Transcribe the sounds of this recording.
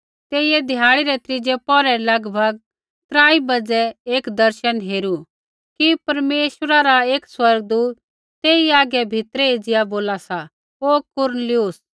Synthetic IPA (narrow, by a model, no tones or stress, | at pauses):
t̪eːɪjɛd̪ʱɪjaːɽ̃iɾɛt̪ɾɪd͡ʒɛpɔɾɛlɐɡbʱɐɡ̚ | t̪ɾaːibɐd͡zɛeːkd̪ɐɾʃənɦeːɾu | kipɐɾmeːʃwəɾaɾaeːkswɐɾɡ̚d̪uːt̪ː | eːiaːɡɛbʱɪt̪ɾɛed͡ʒɪjaboːlasa | okʊɾnəlɪʊs